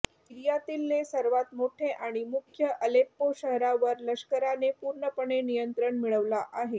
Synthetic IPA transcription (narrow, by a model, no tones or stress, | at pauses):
iɾijat̪iːlːesəɾʋat̪moʈʰeʔaɽ̃imukʰjəʔəlepːoɕəɦɾaʋəɾləɕkəɾanepuɾɳəpəɳenijənt̪ɾəɳmiɭəʋlaʔaɦe